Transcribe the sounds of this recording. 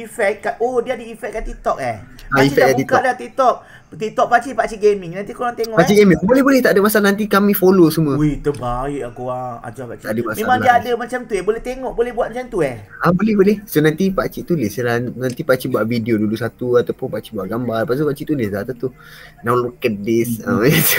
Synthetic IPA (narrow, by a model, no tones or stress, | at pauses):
ifɛk̚kaodiadəifɛʔ̚kːant̪it̪ɔk̚ɛaifɛat̪it̪ɔdat̪it̪ɔk̚ | t̪it̪ɔk̚pat͡ʃipat͡ʃiʔɡemiŋnant̪ikoɾaŋt̪eŋɔʔpaʔt͡ʃiɡemĩŋbolɛhbolɛht̪aʔdəmasaʔlanant̪̬ikamĩfolosumuəit̪əbaiʔakoaŋa̰d͡ʒakat͡ʃiadəmasmẽamaŋlaiadəmat͡ʃamt̪uɛbolɛht̪eŋɔʔbolɛhbuat̪̚at͡ʃamt̪uɛabolɛhbolɛhsonant̪ipat͡ʃiʔt̪ulesəɾanant̪ipaʔt͡ʃibuaʔvidiodulusat̪uat̪awpʊnpaʔt͡ʃibuaʔɡambarpasupaʔt͡ʃiʔt̪ulezat̪at̪u | nãwlokət̪̚disajet̪u